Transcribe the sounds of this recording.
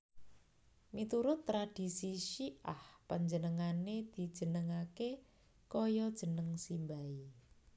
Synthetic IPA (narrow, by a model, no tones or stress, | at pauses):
mit̪uɾʊt̪ːɾad̥i̤siʃiʔahpaɲd͡ʒənəŋaned̪̥i̤d̥ʒ̥ə̤nəŋake | kɔjɔd̥ʒ̥ə̤nəŋsimbai